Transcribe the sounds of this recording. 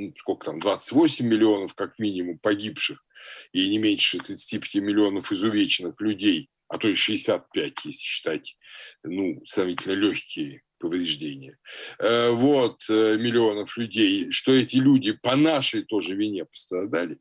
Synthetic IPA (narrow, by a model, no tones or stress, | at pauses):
nuskolʲkə̥t̪amd̪vat̪sɨ̥tʲvo̞sʲɪmʲːɪlʲɪo̞nəfkakmʲinʲɪmʊmpɐɡʲipʂɨxinʲɪmʲenʲʂʂɨt̪ɾʲɪt̪sɨ̥tʲipʲɪ̥tʲimʲɪlʲɪo̞nəfɪzʊvʲet͡ɕɪnɨxlʲʉdʲej | ɐt̪o̞ʂɨɪsʲat̪̚pʲætʲjesʲlʲɪ̥ɕːɪ̥t̪atʲnusnɐvʲitʲɪlʲnəlʲoçʲkʲɪjə | pəvɾʲɪʐdʲenʲɪjəəvo̞t̪əmʲɪlʲɪo̞nəflʲʉdʲejʂt̪o̞ɛtʲɪlʲudʲɪpɐnaʂəjt̪o̞ʐɨvʲɪnʲepə̥st̪ɾɐd̪alʲɪ